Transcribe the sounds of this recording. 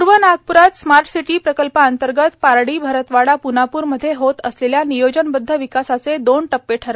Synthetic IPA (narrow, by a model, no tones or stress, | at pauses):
ɾʋənaɡ̚puɾat̪smaɾʈsiʈiːpɾəkəlpaənt̪əɾɡət̪paɾɽiːbʱəɾət̪ʋaɽapunapuːɾməd̪ʱːjeɦot̪əsleljanijod͡ʑənbəd̪ʱːəʋikasat͡sed̪onʈəpːeʈʰəɾ